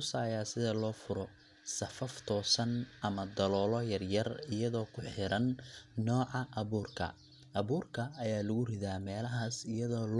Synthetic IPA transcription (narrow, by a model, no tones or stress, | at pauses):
ʊsaːjaːsɪðɐlɔːfʊɾɔ | sɐfɐft̪ʰɔːsɐnʔɐmɐd̪ɐlɔːlɔjɐrjɐrɪjɐðɔːkʰʊħɪɾɐnːɔːʕɑʔɐβuːrkʰɐ̰ | ʔɐβuːrkʰɐɐjaːlʊɣʊrɪðaːmɛːlɐɦaːsɪjɐðɔːl